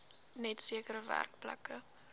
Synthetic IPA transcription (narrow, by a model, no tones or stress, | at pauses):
nɛtsiəkəɾəvæ̰rk̚plɐ̰kə